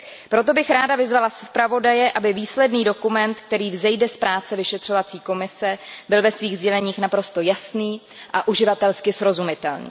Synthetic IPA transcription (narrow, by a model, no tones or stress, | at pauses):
pɾo̞t̪o̞bɪxɾaːdavɪzvalaspɾavo̞dajɛʔabɪviːslɛdniːdo̞kumɛnt̪k̚t̪ɛɾiːvzɛjdɛspɾʔaːt͡sɛvɪʃɛt̪r̝̥o̞vat͡siːko̞mɪsɛbɪlvɛsviːɣzɟɛlɛɲiːxnapɾo̞st̪o̞jasniː | ʔaʔuʒɪvat̪ɛlskɪsɾo̞zumɪt̪ɛlnḭː